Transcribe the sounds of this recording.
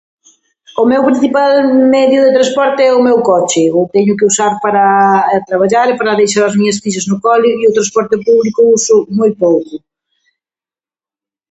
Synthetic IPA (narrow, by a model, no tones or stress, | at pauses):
ʊmɛwpɾĩn̟θipalmɛðjʊðet̪ɾaspɔɾt̪eɛʊmɛwkɔt͡ʃɪʊt̪ɛɲʊk̬ɪusaɾpaɾɐt̪ɾaβ̞aʎaɾepaɾaðejʃ̬aɾɐzmiɲɐsfiʃ̬ɐznʊkɔliiʊt̪ɾaspɔɾt̪ɪpuβlikʊusʊmojpowkʊ